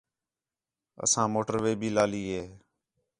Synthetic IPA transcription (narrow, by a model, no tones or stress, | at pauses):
ə̰sãːmoːʈəɾʋeːbʱiːlaːliːɦeː